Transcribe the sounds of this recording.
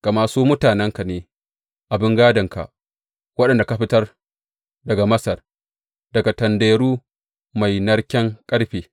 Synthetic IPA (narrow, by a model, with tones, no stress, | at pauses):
ka˨maː˨suː˦mʊ˦taː˨nɛ˦ŋka˨neː˨ | ʔa˨bɪ˦ŋɡaː˦dɐ˨ŋka̰˨ʔ | wɐ˦ɗɐ˨nda˨ka˨˦ɸɪ˦tɐ˦r | dɐ˨ɡa˨mɐ˦sɐ˨r | dɐ˨ɡa˨tɐ˨ndeː˨ɽuː˦ | ma˨jnɐ˦rkʲɛ˦ŋkʼɐ˦ɽɸiː˨